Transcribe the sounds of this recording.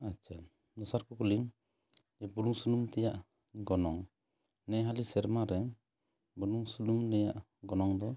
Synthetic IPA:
at͡ʃʰa | nɔsaɾkɔkulim | d͡ʒɛbuɾuŋsulumt̪ɛjaʔ | ɡɔnɔŋ | nɛɦalisɛɾmaɾɛ | bunuŋsulumnɛjaʔ | ɡɔnɔŋd̪ɔ

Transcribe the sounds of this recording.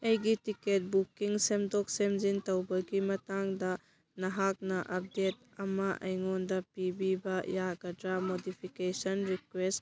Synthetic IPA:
ɐjɡitiket̚bukiŋsemdɔk̚semzintɐwbɐɡimɐtaŋdɐ | nɐɦak̚nɐʔɐp̚det̚ | ɐmɐʔɐ̰jŋondɐpibibɐjaɡɐdɾamodipʰikesɐnɾikwest

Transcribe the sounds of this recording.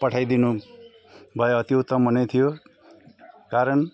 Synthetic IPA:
pʌʈʰajd̪inu | bʱʌeʌt̪iut̪ʌmbʱʌnet̪ʰijo | kaɾʌn

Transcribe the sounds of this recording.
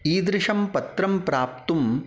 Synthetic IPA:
iːd̪ɾɪʂɐmpɐt̪ɾɐmpɾaːp̚t̪um

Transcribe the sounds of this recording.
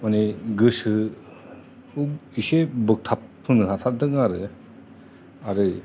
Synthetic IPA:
maneɡɯsɯ | uisebɯk̚tʰap̚hɯnɯɦat̪ʰad̪ɯŋaɾɯ | aɾɯ

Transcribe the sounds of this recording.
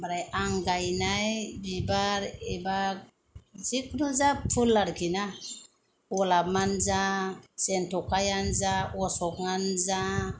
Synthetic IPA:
baɾajaŋɡajnajbibaɾɛba | sikʰnuzapʰulːaɾkʰina | ɔlab̚manzasɛntɔkʰajanzaɔsɔkŋanza

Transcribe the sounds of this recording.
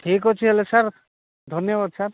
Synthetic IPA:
ʈʰiːkɦot͡ʃʰiɦelesaɾ | d̪ʱɔnjəbaːd̪saɾ

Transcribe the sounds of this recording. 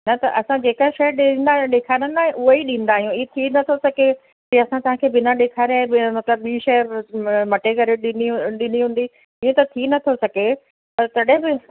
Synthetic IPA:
nɐt̪ɐ̰ʔɐsãd͡ʑeːkaʃɐjɗɪnd̪aɗeːkʰaːɽ̃ə̃nd̪aːɦɪ̃ʔʊɦeiɗĩːn̆d̪aːɦijũiet̪ʰinɐt̪ʰosɐɡe | d͡ʑĩɐsãt̪ɐɦãkʰeːbɪnaɗeːkʰaːɾãːmɐt̪ləbɓiːʃɐ | mɐʈekɐɾeɗɪniɗɪniɦũːn̆d̪i | iẽt̪ɐt̪ʰinɐt̪ʰosɐɡʱe | pɐɾt̪ɐɗɦɪ̃bɪ

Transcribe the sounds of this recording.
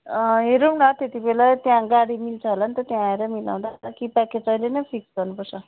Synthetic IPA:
ɦeɾumnat̪et̪ibelat̪jãɡaɽimilt͡sʰʌɦolanit̪ʌt̪jãeɾʌmila̰w̃d̪akipaked͡zʌjlenʌjpʰiksɡʌrnupʌrt͡sʰʌ

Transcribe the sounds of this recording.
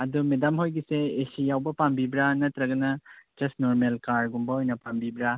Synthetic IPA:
ɐdumedamɦojɡiseːsijawbɐpambibɾanɐt̪ɾɐɡɐnɐd͡ʒɐsnoɾmelkaɾɡumbɐojnɐpambibɾa

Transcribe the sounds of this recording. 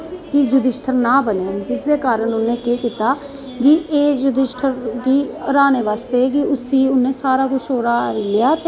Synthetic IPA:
kɪd͡ʒʊd̪ɪsʈʰəɾnãːbəneːd͡ʒɪsd̪eːkaːɾənʊnːẽːkeːkɪt̪aː | ɡɪeːd͡ʒʊd̪ɪsʈʰəɾkiːəɾaːneːʋaːst̪eːk̬ɪʊsiːʊnẽːsaːɾaːkʊʃoːɾaːɾlɪjaːt̪e

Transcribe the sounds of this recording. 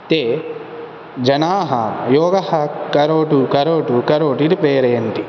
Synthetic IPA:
t̪eː | d͡ʒɐnaːɦɐ̰jɔːɡɐhɐkɐɾoːʈukɐɾoːʈukɐɾoːʈiɾipeːɾeːnt̪i

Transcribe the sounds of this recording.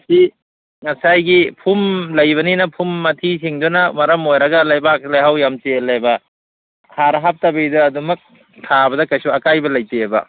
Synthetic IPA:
ɐsi | ŋɐsajɡipʰumlɐjbɐninɐpʰumːɐtʰisiŋdunɐmɐɾɐmojɾɐɡɐlajbak̚lajɦawjamtelejbɐ | tʰaɾɐɦap̚tabejdɐːdumɐk̚ | tʰabɐdɐkɐjsuɐkajbɐlɐjtebɐ̰

